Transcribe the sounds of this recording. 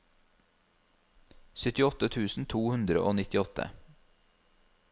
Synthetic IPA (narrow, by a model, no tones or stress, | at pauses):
sʏt̪ɪɔt̪ət̪ʰʉːsn̩t̪ʰuːhʉnd̪ɾə̰ʔoːnɪt̪ɪɔt̪ʰə̰